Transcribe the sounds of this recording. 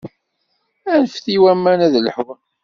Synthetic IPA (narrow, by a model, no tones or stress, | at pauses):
ænəfθiwæmːænæðlħ